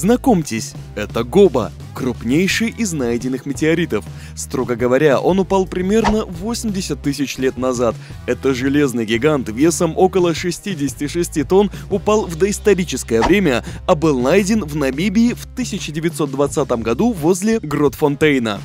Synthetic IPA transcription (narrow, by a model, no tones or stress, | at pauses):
znɐko̞mtʲɪsʲ | ɛt̪əɡo̞bə̰ | kɾʊpnʲejʂɨjʔɪznajdʲɪnːɨxmʲɪtʲɪɐɾʲit̪əf | st̪ɾoɡəɡəvɐɾʲaʔo̞nʊpalˠpɾʲɪmʲe̞rnəvo̞sʲɪmʲdʲɪsʲət̪ːɨsʲɪt͡ɕlʲe̞t̪nɐzat̪ | ɛt̪əʐɨlʲe̞znɨjɡʲɪɡant̪vʲe̞səmo̞kəlˠəʂɨsʲtʲidʲɪsʲɪ̥tʲiʂɨsʲtʲit̪o̞nʊpalˠvd̪əɪst̪ɐɾʲit͡ɕɪskəjəvɾʲemʲəɐbɨlˠnajdʲɪnvnɐmʲibʲɪːft̪ɨsʲɪt͡ɕɪdʲɪvʲɪt̪so̞t̪̚d̪vɐt̪sat̪əmɡɐd̪uvo̞zʲlʲɪɡrot̪font̪ejnə̰